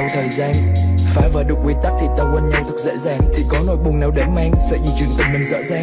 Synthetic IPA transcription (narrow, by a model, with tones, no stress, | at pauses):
wt̪ʰəː˨˩jzaː˧nfaː˧˩jvəː˨˩ɗɨ˨˩k̚wi˧ən̚t̪a˦˥k̚t̪ʰi˨˩t̪aː˨˩wkə˧nɲa˧wt̪ʰɨ˦˥k̚zḛː˧˥zaː˨˩ŋt̪ʰi˨˩kɔ˨˦no̰˧˩jɓʊ˨˩ŋ͡mnaː˨˩wɗe˧˩ma˧ŋsɛ̰˧˥zḭ˧˩t͡ɕwi˨˩ənt̪ï˨˩ŋ̟mï˨˩ŋ̟zə̰ː˧˥zaː˨˩